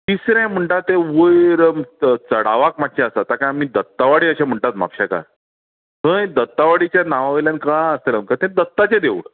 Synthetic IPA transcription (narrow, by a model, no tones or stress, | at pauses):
t̪isɾãm̤əɳʈat̪ːẽʋəjɾəmt͡səɽ̤aʋakmat̪ːɕẽəsat̪akãamiːd̪ət̪ːaʋaɽiːəɕãm̤əɳʈat̪ma̰pɕaka̰ɾ | t̪ə̃d̪ət̪ːaʋaɽit͡ɕjanaʋaʋəljãnkãəst̪elməkat̪ẽd̪ət̪ːat͡ɕed̪eʋɽ